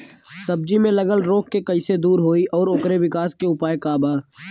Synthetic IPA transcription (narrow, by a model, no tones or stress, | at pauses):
sɐb̚d͡ʒimẽləɡəlɾoːkːekɐɪsed̪uːɾɦoːiʔɔːɾʊkɾeʋɪkaːskeʊpaːekaːbaː